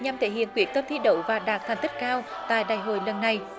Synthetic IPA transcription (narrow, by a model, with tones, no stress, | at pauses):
ɲa˨˩mt̪ʰe˧˩hḭ˧˨ənkwi˨˩ək̚t̪ə˦˥m̚t̪i˧ɗə̰˧˩wvaː˨˩ɗaː˨˩k̚t̪ʰa˨˩ŋt̪i˦˥k̟̚kaː˧w | t̪a̰ː˧˨jɗaː˨˩jɦo̰˧˨jlə˨˩nːa˨˩j